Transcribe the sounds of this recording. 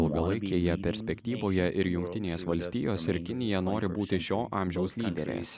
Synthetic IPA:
ɪlˠɡɐlˠɐɪkʲeːjɛpʲɛɾʲsʲpʲɛkʲt̪ʲiːʋoːjɛʔɪɾjʊŋʲkʲt̪ʲɪnʲeːsʋɐlʲsʲt̪ʲiːjoːsʲɪɾkʲɪnʲɪjɛnoːɾʲɪbuːt̪ʲɪʃʲoːʔɑːmʲʒʲɛʊslʲiːd̪ʲɛɾʲḛːs

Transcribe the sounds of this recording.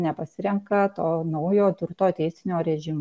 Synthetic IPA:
nʲɛpɐsʲɪɾʲɛŋkɐt̪oːnɐʊjoːt̪ʊɾt̪oːt̪ʲɛɪsʲɪnʲoːɾʲɛʒʲɪm

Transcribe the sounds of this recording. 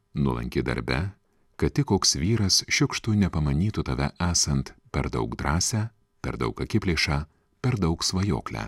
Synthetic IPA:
nulˠɐ̰ŋʲkʲɪd̪ɐ̰ɾʲbʲɛ̰ | kɐt̪̚t̪ʲɪkoːksʋʲiːɾɐsʃʲʊkʃt̪ʊnʲɛpɐmɐnʲiːt̪ʊt̪ɐʋʲɛʔæːsɐnt̪pʲɛɾd̪ɐ̰ʊkd̪ɾɑːsʲæː | pʲɛ̰ɾd̪ɐ̰ʊkɐkʲɪpʲlʲeːʃɑː | pʲɛɾd̪ɐʊksʋɐjo̰ːklʲæ̰ː

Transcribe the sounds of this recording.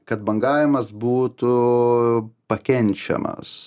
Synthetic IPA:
kɐt̪̚bɐŋɡɑːʋʲɪmɐsbuːt̪ʊ | pɐkʲɛnʲt͡ʃʲɛ̰mɐ̰s

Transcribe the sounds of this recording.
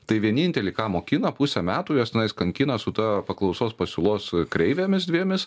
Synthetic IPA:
t̪ɐɪʋʲiɛnʲinʲt̪ʲɛlʲɪːkɑːmoːkʲinɐpusʲɛmʲæːt̪uːjoːst̪ʲɪnɐɪskɐŋʲkʲɪnɐsʊt̪ɐpɐklˠɒʊsoːspɐsʲʊlˠoːskɾʲɛɪʋʲɛmʲɪsd̪ʲʋʲiɛmʲɪs

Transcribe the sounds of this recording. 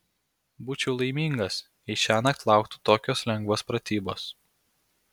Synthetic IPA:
buːt͡ʃʲɛʊlˠɐɪmʲiːŋɡɐs | ɛɪʃʲæːnɐt̪lˠɑˑʊkt̪u̥t̪oːkʲoːslʲɛŋɡʋoːspɾɐt̪ʲiːboːs

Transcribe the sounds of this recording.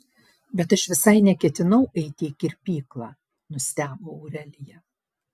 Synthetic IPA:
bʲɛt̪ɐʃʋʲɪsɐɪnʲɛkʲɛt̪ʲɪnɐʊʔɛɪt̪ʲɪkʲɪɾʲpʲiːklˠɑː | nʊsʲt̪ʲæːboːʊɾʲɛlʲɪjɛ

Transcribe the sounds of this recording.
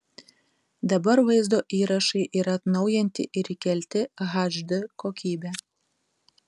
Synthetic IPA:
d̪ɐbɐɾʋɐɪzd̪oːʔiːɾɐʃɐɪʔɪɾɐt̪nɐʊjɛnʲt̪ʲɪʔɪɾikʲɛlʲt̪ʲɪɣaʒd̪ɨkoːkʲiːbʲɛ

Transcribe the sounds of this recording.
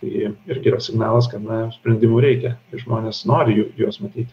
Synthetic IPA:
t̪ɐɪɪɾʲɡʲɪiɾɐsʲɪɡnɑːlˠɐskɐt̪nɐsʲpʲɾʲɛnʲd̪ʲɪmuːɾʲɛɪkʲɛɪʒmoːnʲeːsnoːɾʲɪjuːjuɔsmɐt̪ʲiːt̪ʲ

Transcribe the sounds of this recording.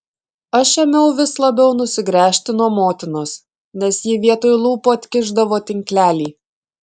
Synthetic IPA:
ɐʃɛmʲɛʊʋʲɪslˠɐbʲɛʊnʊsʲɪɡɾʲæːʃʲt̪ʲɪnuɔmoːt̪ʲɪnoːs | nʲɛsjiːʋʲiɛt̪oːjʊlˠuːpoːɐt̪ʲkʲɪʒd̪ɐʋoːt̪ʲɪŋʲklʲæːlʲiː

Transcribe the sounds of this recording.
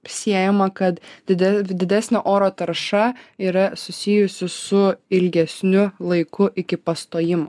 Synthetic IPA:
sʲiɛjɛmɐkɐt̪d̪ʲɪd̪ʲɛd̪ʲɪd̪ʲæsʲnʲɛʔoːɾoːt̪ɐɾʃɐiːɾɐsʊsʲɪjʊsʲɪsʊɪlʲɡʲɛsʲnʲʊlˠɐɪkʊʔɪkʲɪpɐst̪oːjɪmʊ

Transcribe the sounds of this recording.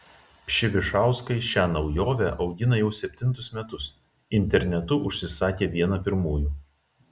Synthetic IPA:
pʲʃʲɪʋʲɪʃɑˑʊskɐɪʃʲæːnɒʊjoːʋʲɛʔɒʊɡʲɪnɐjɛʊsʲɛpʲt̪ʲɪnˑt̪ʊsmʲɛt̪ʊs | ɪnʲt̪ʲɛɾʲnʲɛt̪ʊʔʊʃʲsʲɪsɑːkʲeːʋʲiɛnɐpʲɪɾmuːjuː

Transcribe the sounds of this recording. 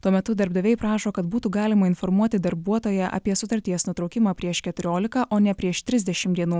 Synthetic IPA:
t̪uɔmʲɛt̪ʊd̪ɐɾbd̪ɐʋʲɛɪpɾɑːʃoːkɐt̪buːt̪uːɡɑːlʲɪmɐɪnfɔɾmuɔt̪ʲɪd̪ɐɾbuɔt̪oːjɛʔɐ̰pʲiɛsʊt̪ɐɾʲt̪ʲiɛsnuɔt̪ɾɒʊkʲɪmɑːpʲɾʲiɛʃkʲɛt̪ʊɾʲoːlʲɪkɐʔoːnʲɛpʲɾʲiɛʃt̪ʲɾʲɪzʲd̪ʲɛʃʲɪmd̪ʲiɛnuː

